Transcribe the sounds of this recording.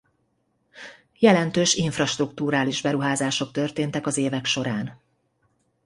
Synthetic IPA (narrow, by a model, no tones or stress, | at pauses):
jɛlɛnt̪øːʃiɱfrɒʃt̪rukt̪uːɾaːliʒbɛɾuɦaːzaːʃo̞k̚t̪ø̞rt̪eːnt̪ɛkɒzeːvɛkʃo̞ɾaːn